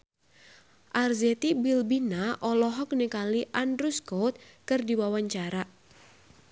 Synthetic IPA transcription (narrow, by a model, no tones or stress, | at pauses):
ʔarzet̪ibilbinaʔɔlɔɦɔk̚nekaliʔandɾuskɔt̪̚kɨrdiwawaɲt͡ʃaɾa